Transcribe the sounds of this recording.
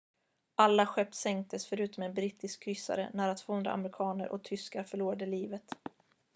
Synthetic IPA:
ʔalːaɧœp̚t̪sɛŋk̚t̪ʰəsfœɾʉ̟ːt̪ɔmɛnbɾiːt̪ɪskʰːɾʏsːa̰ɾə̰næːɾat̪ʰvoːɵnd̪ɾa̰a̰mɾɪkʰɑːnəɾʔɔ̰k̚t̪ʰʏskaɾfœɭuːɾaɖəliːvət̪

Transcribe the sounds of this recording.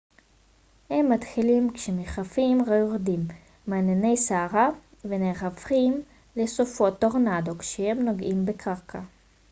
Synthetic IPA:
hemːat̪χilimkʃemeχafimʁajoʁd̪imː | aːnene̞jsaːʁa | veneχafχim | lesofot̪oʁnad̪o̞kʃehemnoɡʔimbekʰaʁkʰa

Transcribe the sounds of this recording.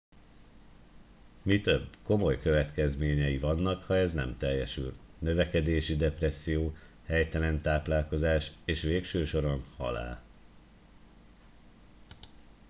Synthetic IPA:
mit̪øbːko̞mo̞jkø̞vɛt̪kɛzmeːɲɛjivɒnːɒkhɒɛznɛ̰mt̪ɛjːɛʃy̰lnø̞vɛkɛd̪eːʃid̪ɛpɾɛsːijoː | hɛjt̪ɛlɛnt̪aːplaːlko̞zaːʃeːʃʋeːkʃøːʃo̞ɾo̞nhɒ̰la̰ːl

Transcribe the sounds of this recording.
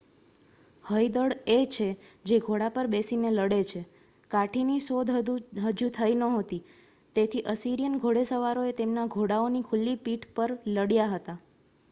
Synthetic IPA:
həjd̪əɽet͡ʃʰed͡ʒeɡʱoɽapəɾbesineləɽet͡ʃʰe | kaʈʰinisod̪ɦəd͡ʒut̪ʰəinəɦot̪i | t̪et̪ʰiʔəsiɾijənɡʱoɽesəʋaɾoet̪emnaɡʱoɽaonikʰʊlːipiʈʰpəɾləɽjaɦət̪a

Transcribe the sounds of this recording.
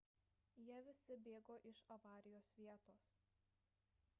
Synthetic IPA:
jiɛʋʲɪsʲɪbʲeːɡoːʔɪʃɐʋɑːɾʲɪjoːsʋʲiɛt̪oːs

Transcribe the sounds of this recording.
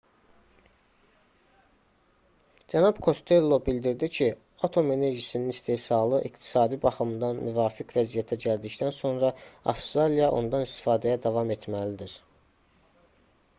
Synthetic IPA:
d͡ʒænɑb̥kʰo̞st̪ʰe̞lːo̞bild̪iɾd̪icʰi | ɑt̪ʰo̞me̞ne̞ɾʒisininist̪ʰe̞hsɑlˠɯʔikt̪ʰi̥sɑːd̪ibɑχɯmd̪ɑnmʔyvɑːficʰvæzijæt̪ʰæɟæld̪ict̪ænso̞nɾɑɑ̰fst̪ɾalijɑʔo̞̰nd̪ɑnist̪i̥fɑːd̪æjæd̪ɑvɑme̞t̪mælid̪iɾ

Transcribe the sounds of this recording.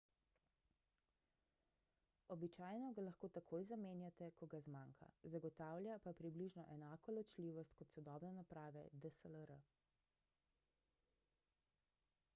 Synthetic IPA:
ɔbit͡ʃaːjnɔɡalaxkoːt̪akʰoːjzameːnjat̪ɛkɔɡazmaŋkʰa̰zaɡɔt̪aːwlʲjapapɾibliʒnɔʔɛnaːkɔlɔt͡ʃliːʋɔst̪kɔt̪sɔd̪ɔːbnɛnapɾaːʋɛ̰d̪əsələɾə

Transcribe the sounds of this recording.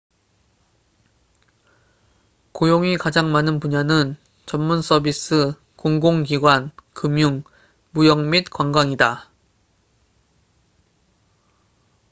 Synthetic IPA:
kojoŋikad͡ʑaŋmanɯnpuɲanɯn | t͡ɕʌnmuns͈ʰʌbis͈ɯ | koŋɡoŋkiɡwankɯmjuŋ | mujʌŋmit̚kwaŋɡwaŋida

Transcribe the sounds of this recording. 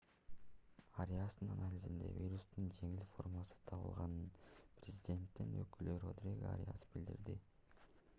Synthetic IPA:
aɾʲejasɯnanalʲizind̪e̞̰vʲiɾust̪und͡ʒe̞ŋilfo̞rmasɯ̥t̪ʰɑβɯ̰lˠʁɑnɯnprʲezʲidʲe̞nt̪ːinøkøløɾod̪ɾʲeɡaa̰ɾʲḛja̰sɯ̥bild̪ḭɾd̪i

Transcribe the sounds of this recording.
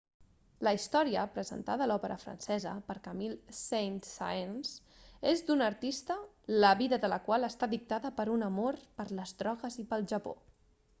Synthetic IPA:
ləist̪ɔɾiəpɾəzə̰nt̪aðəːlɔpəɾə̰fɾə̰nsɛzə̰pəɾkəmilˠsejnt̪sa̰jns | ezd̪unəɾt̪ist̪ə | ləβiðəðələkwalˠəst̪aðik̚t̪aðəpəɾunəmoɾpəɾləzdɾɔɣəzipəlˠʒəpo̰

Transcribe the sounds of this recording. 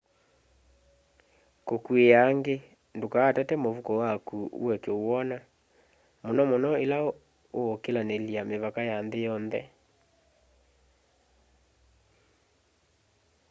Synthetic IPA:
kokuejaŋɡe | ndokaːtatɛmovukɔwakṵwɛkeowɔna | monɔmonɔela | okelaneliameβakajanðejɔnðɛ̰

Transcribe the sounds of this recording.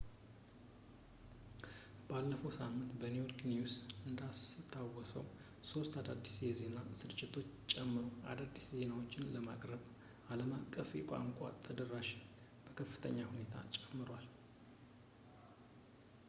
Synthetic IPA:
b̥alːəfəwsamːɨnt̪bənujo̞ɾknijusɨnd̪ast̪ʰawɔsə̰w | so̞st̪ad̪ad̪ːisjɛze̞nasɨɾt͡ʃʼːɪt̪ʰo̞t͡ʃːt͡ʃʼɛmːɨɾo̞a̰d̪ad̪ːisze̞nawo̞t͡ʃːɪnləma̰kʼɾəβ | aləmakʼːəfjɛkʷʼa̰ŋkʷʼa̰t̪ʰəd̪ərːaʃɪ | b̥əkʰəfːɨt̪ʰə̰ɲːahune̞t̪ʰa̰t͡ʃʼɛmːɨɾwal

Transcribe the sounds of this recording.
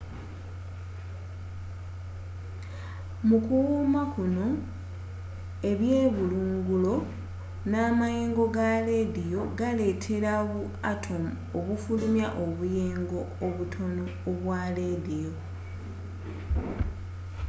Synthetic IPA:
mukuwuːmakuno̞ | e̞βje̞ːβuluːŋɡulo̞ | naːmaje̞ːŋɡo̞ɡale̞dijo̞ɡale̞tʰe̞ɾaβu | atʰo̞m | oβufulumjaʔo̞βujeːŋɡo̞ːβutʰo̞noːβwaːledijoo

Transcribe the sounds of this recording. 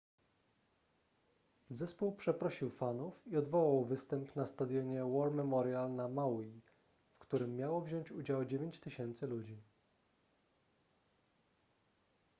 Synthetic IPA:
zɛspuwpʂɛpɾɔɕiwfanufiɔd̪vɔwawvɘst̪ɛmpnast̪ad̪ʲjɔɲɛwɔɾmɛmɔɾjalnamawi | fkt̪uɾɘmːjawɔvʑɔɲt͡ɕud͡ʑawd͡ʑevʲjeɲt͡ɕt̪ɘɕɛnt̪sɘlud͡ʑi

